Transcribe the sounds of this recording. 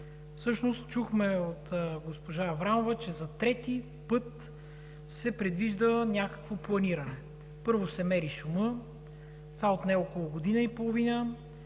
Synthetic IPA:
fsɤʃnost̪t͡ʃuxmɛot̪ːɡospoʒaːvɾamovɐt͡ʃɛzɐt̪ɾɛt̪i | pɤt̪ | sɛpɾɛd̪viʒd̪ənʲakə̥kvoplˠɐniɾɐnɛ | pɤɾvosɛmɛɾisumɤ | t̪vaot̪nɛokolˠʊɡod̪inəipolˠovinə

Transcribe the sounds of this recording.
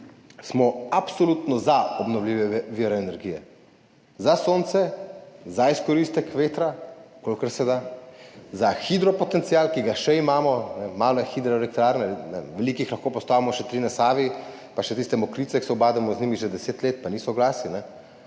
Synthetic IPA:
smɔapsɔlut̪nɔzaɔbnɔwliʋɛʋɛʋiːɾɛɛnɛɾɡijɛ̰ | zasoːnt̪sɛzaiskɔɾist̪ɛkʋeːt̪ɾakolkəɾsɛd̪a | zaxid̪ɾɔpɔt̪ɛnt̪siaːlkiɡaʃɛimaːmɔnɛmaːlɔjɛxid̪ɾɛɛlɛk̚t̪ɾaːɾnɛnɛ̰ʋɛlikixlaxkoːpɔst̪aːʋimɔʃɛt̪ɾinasaːʋi | paʃɛt̪ist̪ɛmɔkɾit̪sɛksɛɔbaːd̪ɛmɔzniːmiʒɛd̪ɛseːt̪leːt̪̚paniːsɔɡlaːsinɛ

